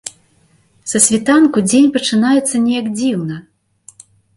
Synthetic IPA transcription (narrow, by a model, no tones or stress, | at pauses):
sɐsʲvʲit̪ankud͡zʲenʲpɐt͡ʂɨnajɛt̪sːɐnʲɛjaɡd͡zʲiwnɐ